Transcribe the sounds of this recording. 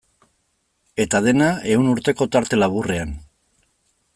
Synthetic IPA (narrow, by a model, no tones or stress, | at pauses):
e̞t̪að̞e̞nae̞unuɾt̪e̞ko̞t̪aɾt̪e̞laβure̞an